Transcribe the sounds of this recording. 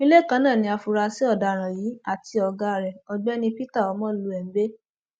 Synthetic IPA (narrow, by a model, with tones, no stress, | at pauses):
i˦le˦˨kã˧˦nãː˦˨nĩ˧˦a˧fu˧ɾa˧si˦ɔ˦˨da˧˨ɾ̃ã˨jiː˨˦a˦˨ti˧ɔ˧ɡa˦˨ɾɛ˨ɔ˧ɡ͡bɛ˦nĩ˧pi˦ta˦˨ɔ˨˧˦mɔ̃˦lu˧˦ɛ˨m̩˨˦be˦